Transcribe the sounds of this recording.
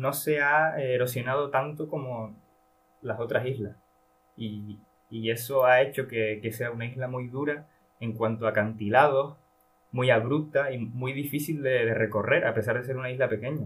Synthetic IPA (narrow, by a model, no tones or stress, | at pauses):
no̞se̞aeɾo̞sjo̞nað̞o̞t̪ant̪oko̞mo | laso̞t̪ɾasiɦlah | iː | e̞so̞ae̞t͡ʃo̞ke̞ke̞se̞aunaiɦlamujðuɾa | e̞ŋkwant̪oakant̪ilað̞o̞h | mujaβ̞ɾup̚t̪aimujðifisild̪e̞ðe̞re̞ko̞re̞ɾʔape̞s̬aɾðe̞s̬e̞ɾunaiɦlape̞ke̞ɲa